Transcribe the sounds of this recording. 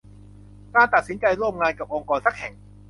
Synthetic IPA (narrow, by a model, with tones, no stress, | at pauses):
kaː˧nt̪a˨˩t̪̚si˩˦nt͡ɕa˧jɾu˥˩mŋaː˧nka˨˩p̚ʔo˧ŋkɔː˧nsa˦˥˩k̚hɛ˨˩ŋ